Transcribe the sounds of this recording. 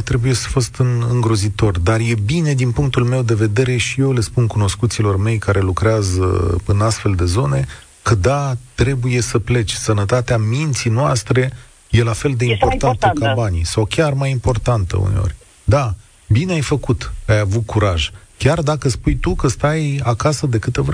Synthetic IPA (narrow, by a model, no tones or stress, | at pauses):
t̪ɾe̞buje̞sə̥fo̞st̪ɨnɨŋɡɾo̞zit̪o̞rd̪arje̞bine̞d̪inpuŋk̚t̪ulme̞wd̪e̞ve̞d̪e̞ɾe̞ʃije̞wle̞spunkuno̞skut̪silo̞rme̞jkaɾe̞lukɾeazə̰ɨnast̪fe̞ld̪e̞zo̞ne̞ | kəd̪at̪ɾe̞buje̞səple̞t͡ʃʲsənət̪at̪eamint̪sinoast̪ɾe̞ | je̞lafe̞ld̪e̞impo̞rt̪ant̪əkabanijsawkʲarmajimpo̞rt̪ant̪ə̰ṵneo̰rʲ | d̪a | bineajfəkut̪ajavut̪̚kuɾaʒkʲard̪akəspujt̪ukəst̪ajakasəd̪e̞kɨt̪ev